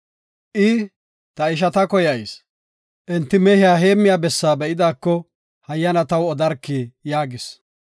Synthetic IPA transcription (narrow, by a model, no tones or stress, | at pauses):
ʔɪ | t̪ɐɪʃ̬ɐt̪ɐkɔjɐjs | ʔɛnt̪ːɪmɛhɪjaːɦeːmːɪjaːbɛsːaːbɛɪd̪aːkːɔ | hɐjːɐnɐt̪ɐwɔd̪ɐɾkːeːjaːɡɪs